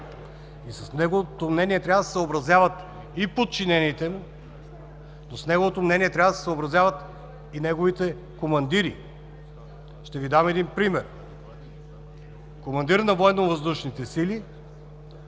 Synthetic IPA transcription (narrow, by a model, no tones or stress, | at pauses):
isɐsnɛɡot̪omnɛniɛt̪ɾavəsɛ̥səobɾɐzjavɐt̪ | ipot̪̚t͡ʃinɛniːt̪ɛmu | nosnɛɡovot̪omnɛniɛt̪ɾʲavəd̪sɛ̥sobɾɐzjavɐt̪ | inɛɡovit̪ɛ | komɐnd̪iɾḭ | ʃt̪ɛvid̪amɛd̪inpɾimɛɾ | komɐnd̪iɾnɐvɔɛnovɐzd̪uʃnit̪ɛsili